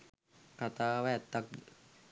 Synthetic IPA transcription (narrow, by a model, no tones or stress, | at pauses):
kat̪awɛːt̪ːak̚